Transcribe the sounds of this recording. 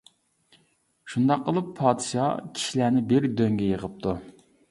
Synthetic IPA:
ʃund̪ɑqːəlˠɨpʰːɑːd̪ɨʃɑ̰kʲʰi̥ʃilænɪbɪɾd̪øŋɡʲɛjəʁəp̚t̪ʰu

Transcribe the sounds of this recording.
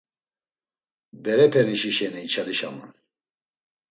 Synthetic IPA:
bɛɾɛpʰɛniʃiʃɛniit͡ʃʰaliʃa̰ma̰n

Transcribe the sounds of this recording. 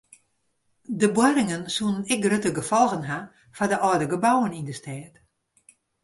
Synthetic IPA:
dəbwaɾɪŋənsunənɪkrøtəɡəfɔlˠɣənɦa | fadəʔɔdəɡəbawənindəstʰɛːt

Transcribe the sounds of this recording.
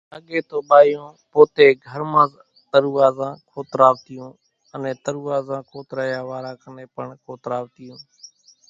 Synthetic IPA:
əɠeːt̪oːɓaːjõː | poːt̪eːɡʱəɾmãːz | t̪əɾuːʋaːzãːkʰoːt̪ɾaːʋt̪ɪjõː | ənẽːt̪əɾuːaːzãːkʰoːt̪ɾaːjaːʋaːɾãːkəneːpəɳkʰoːt̪ɾaːʋt̪ɪjũː

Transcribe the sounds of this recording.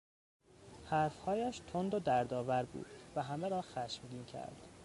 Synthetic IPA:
hæɾfhɒːjæʃt̪ʰond̪od̪æɾd̪ɒːvæɾbṵːd̪̥væɦæmeɾɒːxæʃmɟiːncʰæ̰ɾd̪̥

